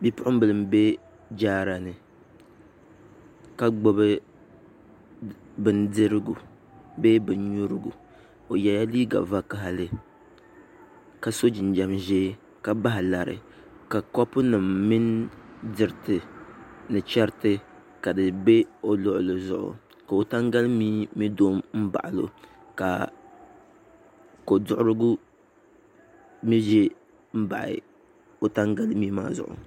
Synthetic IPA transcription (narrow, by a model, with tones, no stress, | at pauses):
bi˦pʊ˦ʔʊ˦bɨ˦˨lɨ˦mbe˦ | d͡ʒaː˦ɾa˨nɨ˨ | ka˦ɡ͡bo˦bɨ˦ | bɨ˨ndɨ˦ɾɨ˦ɡu˨ | beː˦bɨ˨nɲu˦ɾɨ˦ɡṵ˨ | o˨ja˨ja˦liː˦ɡa̰˨va˦ka˦ɦa˨lɨ˨ | ka˨so˦d͡ʒi˨n˨d͡ʒa˦mʒeː˦ | ka˨ba˦ɦɪ˨la˨ɾɨ̰˨ | ka˨kɔ˦pʊ˦nɨ˨mmi˦ndɨ˨ɾtɨ˨nɨ˨t͡ʃɛ˦ɾtɨ˦ | ka˨dɨ˨be˦o˦lʊ˦ʔʊ˨lɨ˨zʊ̰˦˨ʔʊ̰˨ | ka˨o˨ta˦ŋɡa˦lmiː˦mi˦doː˦mm̩˦ba̰˨ʔɪ˨lo̰˨ | ka̰˨ | ko˨dʊ˦ʔʊ˦ɾɨ˦ɡʊ˦ | mi˦ʒɛ˦ | m̩˦ba̰˨ʔɪ̰˨ | o˦ta˦ŋɡa˦lmiː˦ma̰ː˦zʊ̰˨ʔʊ̰˨